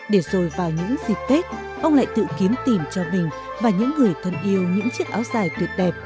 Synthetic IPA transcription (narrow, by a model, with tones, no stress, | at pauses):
ɗe˧˩zo˨˩jvaː˨˩wɲɨ̰˧˥ŋzi˨˩k̚k̪e˦˥k̚ | ʔə˧wŋ͡mla̰ː˧˨jt̪ɨ̰˧˨ki˨˦ənt̪i˨˩mt͡ɕɔ˧mï˨˩ŋ̟ | vaː˨˩ɲɨ̰˧˥ŋːɨ˨˩əjt̪ʰə˧nʔi˧əwɲɨ̰˧˥ŋt͡ɕi˦˥ək̚ʔaː˨˦wzaː˨˩jt̪wi˨˩ət̚ɗɛ˨˩p̚